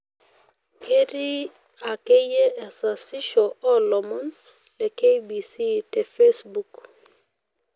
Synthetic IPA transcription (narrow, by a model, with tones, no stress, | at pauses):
ke˦ɾi˦ | a˨ke˦je˦ɛ˨sa˨sɪ˦ʃɔ˨ɔ˦lɔ˨mɔ˦n | lɛ˨ke˦jbi˨si˦tɛ˨fe˦sbu˨k